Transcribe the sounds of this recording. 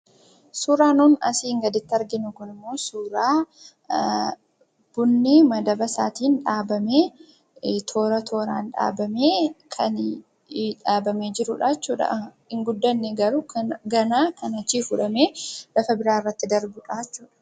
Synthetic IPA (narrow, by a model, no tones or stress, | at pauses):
suːɾaːnuːnɐ̰siːŋɡɐd̪ɪt̪ːɪɐɾɡɪnʊkʊnɪmːo̞ːsuːɾaː | b̥ʊnːɪmɐd̪ɐbɐsaːt̪iːnᶑaːbɐmeː | t̪ʰo̞ːɾɐt̪ʰo̞ːɾaːnᶑa̰ːbɐmeːkʰɐn | ᶑaːbɐmeːd͡ʒɪɾʊᶑaːt͡ʃːuːᶑɐ̰ | ɪŋɡʊd̪ːɐnːeɡɐɾʊɡɐnaːkɐnɐt͡ʃːiːfʊᶑɐmeːlɐfɐbɪɾaːɪrːɐt̪ːɪd̪ɐɾbʊᶑaːt͡ʃːuːᶑɐ̥